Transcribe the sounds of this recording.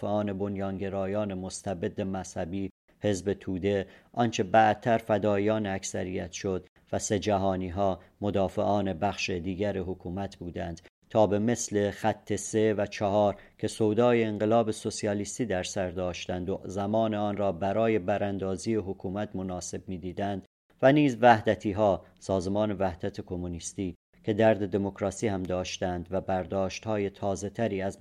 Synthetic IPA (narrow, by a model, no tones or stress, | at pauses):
eɒːne̞bo̞njɒːnɟe̞ɾɒːjɒːne̞most̪ʰæbe̞d̪ːemæz̥hæbiː | he̞zbe̞t̪ʰuːd̪e̞ʔɒnt͡ʃʰe̞bæʔdt̪ʰæɾfæd̪ɒːiɒːneæksæɾijæt̪ʃo̞d̪ | væse̞d͡ʒæɦɒːniːɦɒːmod̪ɒːfe̞ʔɒːne̞bæχʃed̪iːɟæɾeɦokʰuːmæt̪ʰbuːd̪ænd̪̥ | t̪ʰɒːbe̞me̞sle̞xæt̪ʰːe̞se̞væt͡ʃʰɒɦɒːɾ | cʰe̞sowd̪ɒːjeːŋɢe̞lɒːbe̞so̞siɒːlist̪iːd̪æɾsæɾd̪ɒːʃt̪ænd̪ozæmɒːneɒːnɾɒːbæɾɒːje̞bæɾænd̪ɒːziːeɦokʰuːmæt̪ʰmo̞nɒːse̞bmiːd̪iːd̪ænd̪̥ | væniːzvæhd̪æt̪ʰiːɦɒː | sɒːzemɒːne̞væhd̪̥æt̪ʰekʰo̞munist̪iː | cʰe̞d̪æɾd̪e̞d̪e̞mokʰɾɒːsiːhæmd̪ɒːʃt̪ænd̪væbæɾd̪ɒːʃt̪hɒːje̞t̪ʰɒːze̞t̪ʰæɾiːæz